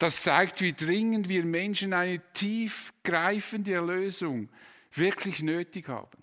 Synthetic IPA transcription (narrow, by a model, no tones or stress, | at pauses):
d̥ɑst͡saɪk̚tviːdʁɪŋəndviːɐmɛnʃənaɪnətʰiːfɡ̥ɾaɪfəndəɛløːzʊŋ | vɪɐkʰlɪçnøːtɪkhɑ̰ːb̥n̩